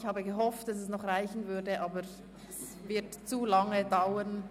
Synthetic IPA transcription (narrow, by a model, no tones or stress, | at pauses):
çhaːbəɡəɦɔftd̥asɛsnɔχʁaɪçn̩vʏdəʔaːbəɾ | ɛs | vɪɐtt͡sulaŋədaʊən